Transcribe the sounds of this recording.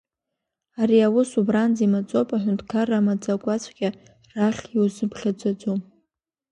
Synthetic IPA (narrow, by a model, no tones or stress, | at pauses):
aɾiawʊsubrand͡zimat͡sʼo̞pʼaħʷᶣʊndkʰaramad͡zʼakʷʼat͡sʷʰʼɡʲa | raχʲiwzɨbʰχʲad͡zʷʼad͡zʷum